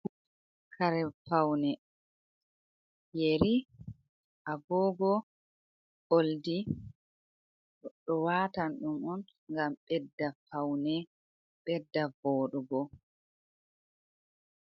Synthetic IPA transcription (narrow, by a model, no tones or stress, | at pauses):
kʰaɾɛfawnɛ | jeɾi | ʔabɔːɡɔ | oldi | ɗɔwatanɗumɔn | ŋɡamɓɛdːafawnɛ | ɓɛdːavɔːɗɔɡɔ